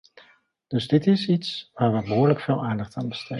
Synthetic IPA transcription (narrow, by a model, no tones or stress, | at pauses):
d̥ɵzdɪtɪsitsʋaːɹʋəbəɦʊːɹləkfɪːlˠʔaːndɑχtaːnbəstʰe